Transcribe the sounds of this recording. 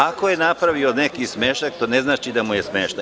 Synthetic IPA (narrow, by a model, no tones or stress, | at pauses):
ako̞je̞napɾaʋionekismeːʃt̪ak̚t̪one̞znaːt͡ʃid̪amujesmeːʃt̪a